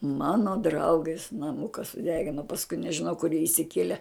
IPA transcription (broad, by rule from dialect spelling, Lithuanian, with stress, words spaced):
ˈmɑːnoː ˈdrɐʊɡʲeːs nɐˈmʊkɐ sʊˈdʲæːɡʲɪnoː pɐsˈkʊɪ nʲɛʒʲɪˈnɐʊ kʊr jiɛ ɪʃʲsʲɪˈkʲiɛlʲɛ